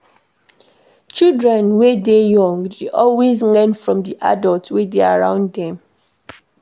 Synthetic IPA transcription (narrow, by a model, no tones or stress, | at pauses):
t͡ʃildɹɛ̃nwedejɔ̃ŋdeʔɔlwezlɛ̃nfɹɔ̃mdiʔa̰dɔltwedeaɹã̰ʊ̃nddɛ̃m